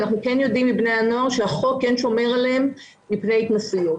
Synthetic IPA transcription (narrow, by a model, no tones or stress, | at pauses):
naχnukenjo̞d̪imːibne̞jano̞aʁʃeaχo̞kːenʃo̞me̞ʁaleemː | ipnejit̪masiju